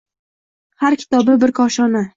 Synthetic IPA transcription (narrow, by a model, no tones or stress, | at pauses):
haɾkʲʰɪ̥t̪ʰɒbɪbɪɾkʰɒʃɒna